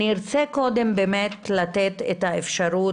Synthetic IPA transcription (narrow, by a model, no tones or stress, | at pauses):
iʁt͡seko̞d̪e̞mbemet̪lat̪et̪etaefʃaʁu